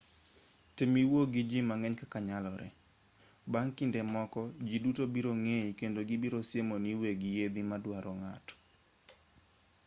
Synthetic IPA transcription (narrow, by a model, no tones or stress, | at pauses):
tɪmiwoɡid͡ʒimaŋɛɲkakaɲalɔɾʔɛ̰ | baŋkɪndɛmɔkɔd͡ʒidutobiɾoŋeikendoɡibiɾosjemoniweɡijed̪imadwaɾɔŋatɔ̥